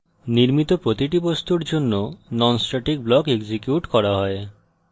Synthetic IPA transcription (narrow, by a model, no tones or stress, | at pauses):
niɾmit̪opɾot̪iʈibost̪uɾd͡ʑonːonɔnsʈaʈik̚blɔkeɡd͡ʑikjuʈkɔɾaɦɔe